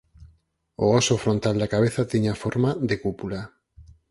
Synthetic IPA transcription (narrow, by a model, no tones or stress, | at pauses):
o̰ɔsofɾont̪ald̪akaβeθat̪iɲafoɾmaðekupula